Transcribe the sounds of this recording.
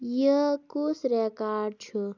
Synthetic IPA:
jəkusɾekaːɖ̚t͡ʃʰu

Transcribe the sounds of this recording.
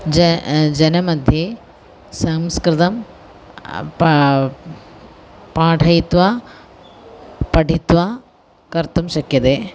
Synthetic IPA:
d͡ʒd͡ʒɐnɐmɐd̪ʱjɐ | sɐmskɾɪt̪ɐm | pãːʈʰɐjit̪ʋaː | pɐɖʱit̪ʋaː | kɐɾt̪umʃɐkjɐt̪eː

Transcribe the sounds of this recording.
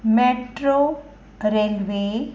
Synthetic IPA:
meʈɾo | ɾelʋe

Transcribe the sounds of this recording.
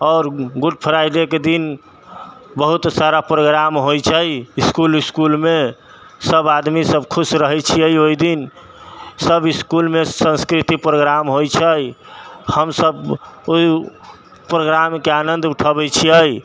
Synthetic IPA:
ɔːɾɡuɖ̚pʰəɾajɖ̪eked̪in | bəɦut̪saɾapɾoɡɾamɦojt͡ʃʰəjiskuliskulme | səbad̪misəbkʰusɾəɦɛjt͡ʃʰiəjoid̪in | səbiskulmesə̃nskɾit̪ipɾoɡɾamɦojt͡ʃʰəjhəmsəboi | pɾoɡɾamkeanənd̪ʱuʈʰəbɛt͡ʃʰiəj

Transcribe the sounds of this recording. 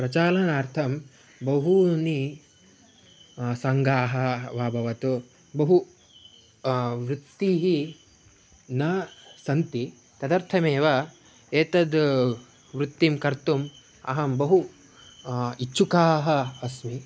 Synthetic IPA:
pɾɐt͡ʃaːlɐnaːɾt̪ʰɐm | bɐɦuni | sɐŋɡaːɦɐʋaːbʱɐʋɐt̪u | bɐɦu | ʋɾut̪ːiɦi | nɐsɐnt̪i | t̪ɐd̪ɐɾt̪ʰɐmeːʋɐ | eːt̪ɐd̪ | ʋɾut̪ːimkɐɾt̪um | ɐ̰ɦɐmbɐɦu | iːt͡ʃʃukaːɦɐɐsmi

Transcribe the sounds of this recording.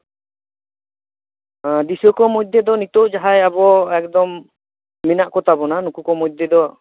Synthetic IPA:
d̪isɔkɔmɔd̪ɛd̪ɔnit̪ɔʔd͡ʒaɦajabɔɛk̚d̪ɔmː | inaʔkɔt̪ʰabɔnanukukɔmɔd̪ɛd̪ɔ

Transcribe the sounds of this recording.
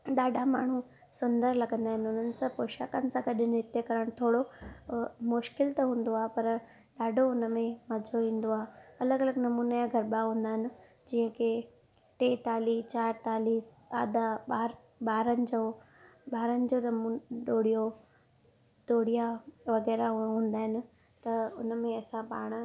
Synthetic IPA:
ɗaːɖʱama̰ːɳ̤u | sʊnd̪əɾlɐɡə̃nd̪aːɦɪ̃nʊn̤ənɪ̆sãpoːʃaːkənɪ̆sãɡɐɗɪnɪɦɪt̪ekɐɾəɽ̃t̪ʰoːɽo | mʊʃkɪlt̪ɐɦũːn̆d̪oaːɦepɐɾ | ɗaːɖʱoʊnəmẽmɐd͡ʑʱoʋĩːn̆d̪oaːɦeɐləɡɐləɡnɐmuːnajãɡʱɐɾɓaɦũːn̆d̪aːɦɪnɪ̆ | d͡ʑĩːɦə̃kʰe | ʈeːt̪aːlit͡ɕaːɾt̪aːlis | a̰ːd̪aɓaːɾ | ɓaːɾənɪ̆d͡ʑoː | ɓaːɾənɪ̆d͡ʑonɐmɗoːɽijo | t̪oːɽijaʋɐɣɛːɾaɦɦũːn̆d̪aːɦɪnɪ̆ | t̪ɐʊnəmẽɐsãpa̰ːɽ̃̆

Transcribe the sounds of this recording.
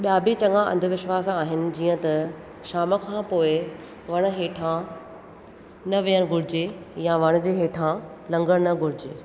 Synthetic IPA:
ɓjaːbʱit͡ɕɐ̃ŋɡãʔɐ̰̃nd̪ʱəʋɪʃʋaːsaːɦɪnɪ̆d͡ʑiːə̃t̪ɐ | ʃaːməkʰãːpoːɪ | ʋɐɽ̃̆ɦeːʈʰã | nɐʋijəɽ̃ɡʱʊɾɪd͡ʑejaʋɐɽ̃̆d͡ʑeːɦeːʈʰã | lɐ̃ŋɡəɽ̃nɐɡʱʊɾɪd͡ʑeː

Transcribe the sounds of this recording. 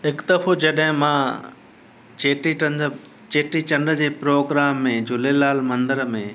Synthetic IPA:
ɦɪkd̪ɐfod͡ʑɐɗɦɪ̃mã | t͡ɕeːʈĩn | t͡ɕeːʈit͡ɕɐ̃nɖəd͡ʑeːpɾoːɡɾaːmːẽd͡ʑʊlelaːlmɐ̃nd̪əɾmẽ

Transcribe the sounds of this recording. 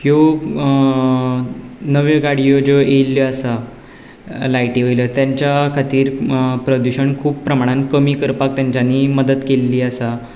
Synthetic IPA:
jo | nəʋjəɡaɽijod͡ʑoʔeljɔasa | lajʈiʋəjlət̪jaɲt͡ɕjakʰat̪iːɾpɾəd̪uɕəɳkʰuːppːɾəmaɽ̃ãnkəmiːkəɾpak̚t̪jaɲt͡ɕaniːməd̪ət̪kelːiːasa

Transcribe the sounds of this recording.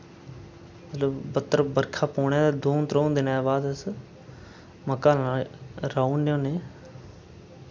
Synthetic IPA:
mət̪ləbbət̪ːəɾəbəɾkʰaːpoːɳãːd̪oːnt̪ɾoːnd̪ɪnabaːd̪əs | məkaː | ɾaːunːjõːneː

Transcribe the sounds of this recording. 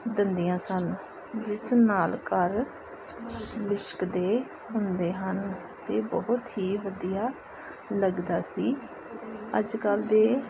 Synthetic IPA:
d̪ənd̪ijãːsən | d͡ʒɪsnaːlkəɾ | lɪt͡ʃkd̪eː | ɦʊnd̪eːɦən | t̪eːbɔɦʊt̪ɦiːʋəd̪ijaː | ləɡd̪aːsiː | ə̰d͡ʒkəld̪eː

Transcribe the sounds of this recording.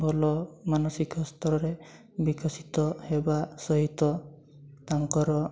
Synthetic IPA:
bʱɔlɔmanɔsikɔst̪ɔɾɔɾe | bikɔsit̪ɔhebasɔɦit̪ɔ | t̪aŋkɔɾɔ

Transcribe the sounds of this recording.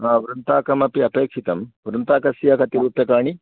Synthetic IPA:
aːʋɾɐnt̪aːkɐmɐpiɐpeːkʂit̪ɐmʋɾɐnt̪aːkɐsjaːkɐt̪iɾuːpjɐkaːɳi

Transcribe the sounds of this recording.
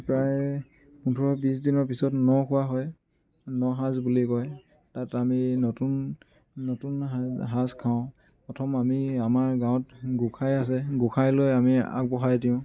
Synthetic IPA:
pɹaj | untʰɔɹɔbis̬dinɔɹpisɔtnɔkʰʊwaɦɔj | nɔɦãzbulikɔj | tataminɔtunː | ɔtunɦaskʰaʊ̃ | pɔtʰɔmamiamaɹɡãw̃tɡukʰajas̬ɛɡukʰajlojamia̰k̚bɔxajdiʊ̃

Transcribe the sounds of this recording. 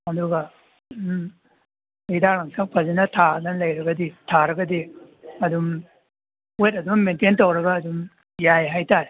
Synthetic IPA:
honduɡɐ | idalɐŋsak̚pʰɐzinɐtʰanɐnlɐjɾɐɡɐditʰaɾɐɡɐdi | ɐdum | ojɐt̚ɐdumɐmententɐwɾɐɡɐːdum | jajɦajtaɾe

